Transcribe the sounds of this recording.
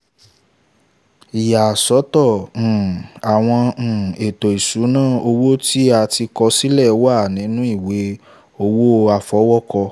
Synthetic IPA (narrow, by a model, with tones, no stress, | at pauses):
i˨ja˨sɔ˨˦tɔ̃˦˨ | a˨w̃ɔ̃˧˨e˨to˨i˨su˨˦nãː˦˨o˧wo˦ti˦a˧ti˧kɔ˧si˦lɛ˦˨˦wa˦˨nĩ˨˦nũ˦i˦˨we˨˦ | o˧wo˦˧˦a˧fɔ˨˦wɔ˦kɔ˧